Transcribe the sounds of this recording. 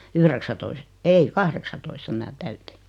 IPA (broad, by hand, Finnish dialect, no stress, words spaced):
yhreksætois ei kɑhreksɑtoistɑ mĭnæ tæyti